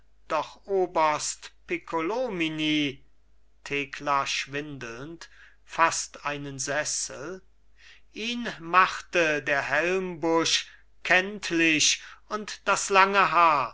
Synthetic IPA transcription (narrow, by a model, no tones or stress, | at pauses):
d̥ɔχʔoːbɐstpikʰolominiː | tʰeːkʰlaʃv̥ɪndl̩nt | fastʔaɪnənzɛsəl̩ | ʔiːnmaχtədeːɐɦɛlmbʊʃ | kʰɛntʰlɪʃʊntd̥aslaŋəɦaːɐ